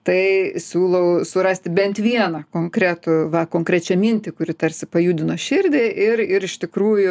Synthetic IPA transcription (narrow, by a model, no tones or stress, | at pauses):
t̪ɐɪsʲuːlˠɐʊsʊɾɐsʲt̪ʲɪbʲɛnt̪ʋʲiɛnɐkoːŋkɾʲæt̪ʊʋɐkoːŋkɾʲɛt͡ʃʲɛmʲɪnʲt̪ʲɪkʊɾʲɪt̪ɐɾʲsʲɪpɐjuːd̪ʲɪnoːʃʲɪrʲd̪ʲeːʔɪrɪɾɪʃt̪ʲɪkɾuːjʊ